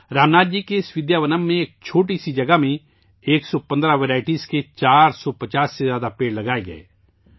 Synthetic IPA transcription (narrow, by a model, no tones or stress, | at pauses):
ɾaːmnaːd̪̚d͡ʒikeɪswɪd̪jaːʋənəmːẽeːk̚t͡ʃʰoːʈ̬isid͡ʒɐɡamẽ | eːksɔpɐ̃nd̪ɾaʋeɾaːɪʈiːsket͡ʃaːɾsɔpɐt͡ʃaːsːezjaːd̪apeːɽlɐɡaːeɡɐ̰ḛː